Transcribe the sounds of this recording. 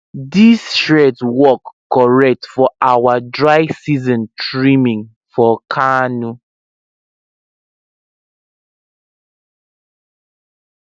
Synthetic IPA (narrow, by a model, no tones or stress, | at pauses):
disʃɹɛtwɔkː | ɔɹɛk̚tfɔʔawadɹaɪsizɔ̃ntɹimĩŋ | fɔkʰanu